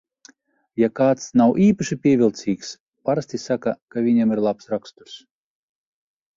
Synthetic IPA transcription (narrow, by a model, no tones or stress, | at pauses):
jakaːt̪snawʔiːpaʃipʲiɛvʲilˠt̪sʲiːks | paɾasʲt̪ʲisakakavʲiɲamiɾlˠapsɾakst̪uɾs